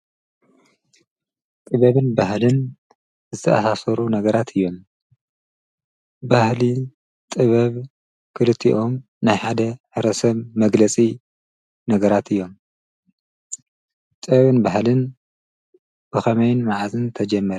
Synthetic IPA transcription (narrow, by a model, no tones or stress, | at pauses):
t̪ʼɨβɐβɨnbaɦlɨn | zɨt̪ʰɐʔasasɐɾunɐɡɐɾat̪ʰɨjːo̞m | bahli | t̪ʼɨβɐβ | kʰɨlɨt̪ʰːiʔo̞m | najħad̪ɐħɨɾɐsɐβmɐɡlɐt͡sʼi | nɐɡɐɾat̪ʰɨjːo̞m | t̪ʼɨɐβɨnbahlɨn | b̥ɨxɐmɐjnmaʕazɨnt̪ʰɐd͡ʒɐmːɐɾ